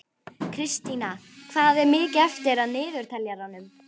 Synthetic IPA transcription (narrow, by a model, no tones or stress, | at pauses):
kʰɾɪst̪ina | kʰvaːðɛɾmɪːcɛft̪ɪɾaðnɪːðʏɾ̥t̪ʰɛljaɾanʏm